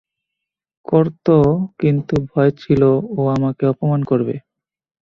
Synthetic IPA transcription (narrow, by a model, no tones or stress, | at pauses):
kɔɾt̪okint̪ubʱɔet͡ɕʰiloːamakeɔpomankoɾbḛ